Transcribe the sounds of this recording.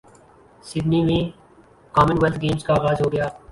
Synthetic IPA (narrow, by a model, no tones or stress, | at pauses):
sɪd̪niːʋẽː | kaːmənʋəlt̪̚ɡeːmskaːɣaːzɦoːɡəjaː